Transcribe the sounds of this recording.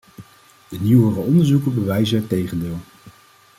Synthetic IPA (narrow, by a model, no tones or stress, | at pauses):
d̥əniwərəɔndəɹzukəbəʋɛjzəɛtejχəndɪːlˠ